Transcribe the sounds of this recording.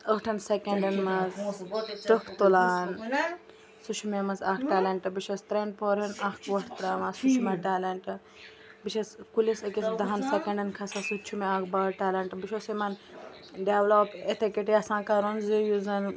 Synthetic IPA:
əhʈʰɐnsekeɳɖɐnmazt̪əkʰt̪ulaːn | sut͡ʃʰumemɐzakʈaːleɳʈɨbit͡ʃʰɐst̪ɾeɳɖpʰoːɾɐnɐkʰʋɐʈʰt̪ɾaːmɐsut͡ʃʰumɐʈaːleɳʈɨ | bit͡ʃʰɐskulisɐkisd̪ɐɦɐnsekɐ̃ɳɖɐnkʰɐsɐsut͡ʃʰumeaːkbaːɾʈaːlɐɳʈɨbiʃʰosimɐn | ɖeʋlopet̪ʰikeʈjasãːkaɾonzijuzɐn

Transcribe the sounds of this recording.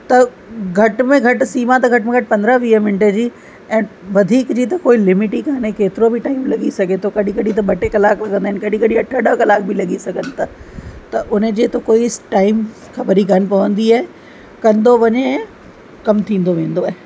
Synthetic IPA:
t̪ɐ | ɡʱɐʈmẽɡʱɐʈsiːmat̪ɐɡʱɐʈmẽɡʱɐʈpɐ̃nd̪ɾəʋiːəmɪɳʈed͡ʑiː | ɛ̃ːʋɐd̪ʱiːkd͡ʑiːt̪ɐkoːilɪmɪʈikaːnekeːt̪ɪɾobʱɪʈaːɪmlɐɡisɐɡʱet̪ʰokɐɗĩkɐɗĩt̪̬ɐɓɐʈekɐlaːklɐɡə̃nd̪aːɪnkɐɗĩkɐɗĩɐʈʰəɗəkɐlaːkbʱɪlɐɠisɐɡʱənɪ̆t̪ʰɐt̪ɐʔʊned͡ʑeːt̪okoːisʈaːɪm | xɐbəɾikɐnɪ̆pɐʋə̃nd̪iaːɦe | kɐ̃nd̪oʋɐɲe | kɐmt̪ʰĩːnd̪oʋẽːn̆d̪oaːɦe

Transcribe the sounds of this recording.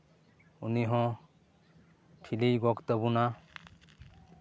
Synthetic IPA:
uniɦɔ̃ | ʈʰilijɡɔkt̪əbuna

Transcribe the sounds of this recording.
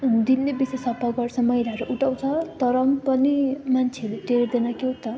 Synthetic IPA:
d̪inːebisʌsʌpaɡʌrt͡sʰʌmʌjɾaʌɾuʔuʈʰaw̃t͡sʰʌt̪ʌɾʌmpʌnimant͡sʰeʌɾut̪eɾed̪enakeot̪ʌ

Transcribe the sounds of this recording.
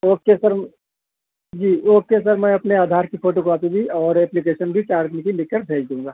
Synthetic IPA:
oːkkesɐɾ | d͡ʒiːoːkːes̬əɾmɛ̃ɐpneaːd̪ʱaːɾkifʰoːʈokɔːpibʱiɔːɾɛːplik̬eːʃənbʱit͡ʃaːɾt̪nikilɪkːəɾbʱeːd͡ʒd̪ũːŋɡaː

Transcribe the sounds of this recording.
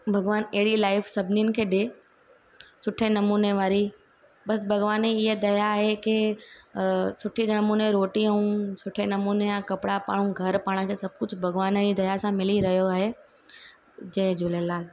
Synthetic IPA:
bʱɐɡʋaːnɐɦɪɽilaːɪfsɐbʱniʊnɪ̆kʰeːɗe | sʊʈʰenɐmuːneʋaːɾi | bɐsbʱɐɡʋaːneɪɦed̪ɐjaːɦekɪ | sʊʈʰinɐmuːneɾoːʈiəũsʊʈʰenɐmuːnejãkɐpɪɽapa̰ːɽ̤̃ũɡʱɐɾpaːɽ̃ə̆kʰeːsɐb̚ʱkʊd͡ʑʱbʱɐɡʋaːnəd͡ʑid̪ɐjasãmɪliɾɐɦijoaːɦe | d͡ʑɐ̃ɦd͡ʑoːlelaːl

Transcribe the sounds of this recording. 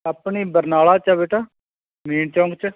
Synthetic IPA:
apɳiːbəɾnaːɭaːt͡ʃabeːʈaː | miːɳt͡ʃɔ̃ːŋɡt͡ʃ

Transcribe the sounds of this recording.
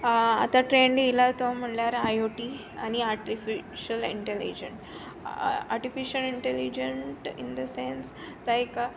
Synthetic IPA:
a̰t̪aʈɾenleilat̪om̤əɳljaɾajoʈi | aniaɾʈifiʃəlḭɳʈelḭd͡ʑḛ̃ɳʈ | a̰ɾʈifiʃəliɳʈɛlid͡ʑeɳʈḭnd̪əsẽns | lajk

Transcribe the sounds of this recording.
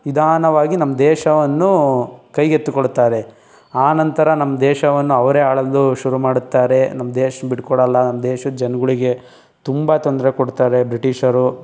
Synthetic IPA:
ʋid̪ʱaːnɐʋaːɡinɐmːɐd̪ɛːʃɐʋɐnːukɐjɡet̪ːukoɽt̪ːaːɾe̞ | aːnɐnt̪ɐɾɐnɐmːɐd̪ɛːʃɐʋɐnːuɐʋɐɾeaːɭɐlːuʃuɾumaːɽut̪ːaːɾe̞nɐmːɐd̪ɛːʃɐnbiʈkɔɽɐlːɐnɐmːɐd̪ɛːʃɐd͡ʒɐnɐɡuɭiɡe̞ | t̪umbat̪ond̪ɐɾekoɽt̪aːɾe̞bɾiʈiʃɐɾu

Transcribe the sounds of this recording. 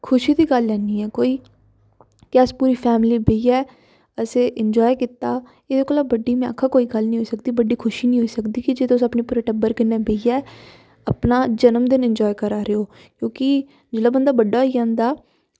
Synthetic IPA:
kʰʊʃiːd̪iːɡəlːɛːniːɛːkoːiː | kɛːspuːɾiːpʰɛːmliːbeiːɛː | əseːʔɪɲd͡ʒɔːjkɪt̪aː | eːd̪eːkoːlaːbəɖiːmɛ̃ã̰ːkʰːaːkoːiːɡəlnĩɦoiːsəkd̪iːbəɖiːkʰʊʃiːnĩːɦoːiːsəkd̪iːkɪd͡ʒet̪d̪õːʊsəpneːpuːɾeːʈəbəɾkɪnːeːbeiːɛː | əpnaːd͡ʒənəmd̪ɪnɪɲd͡ʒɔːjkəɾaːɾeoː | kjõːkɪ | d͡ʒɪlaːbənd̪aːbəɖːaːiːãːnd̪aː

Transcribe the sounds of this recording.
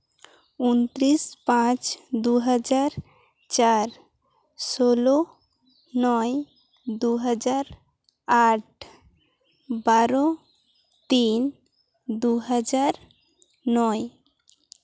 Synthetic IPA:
unt̪ɾispãt͡ɕd̪uɦad͡ʑaɾ | t͡ɕaɾ | solo | nɔe | d̪uɦad͡ʑaɾ | aʈ | baɾo | t̪in | d̪uɦad͡ʑaɾ | nɔe

